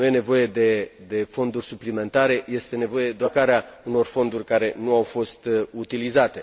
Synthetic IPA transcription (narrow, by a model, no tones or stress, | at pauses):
nuje̞ne̞vo̞je̞d̪e̞d̪e̞fo̞nd̪urʲsuplime̞nt̪aɾe̞je̞st̪e̞ne̞vo̞je̞d̪eakaɾeauno̞rfo̞nd̪urʲkaɾe̞nuawfo̞st̪ut̪ilizat̪e̞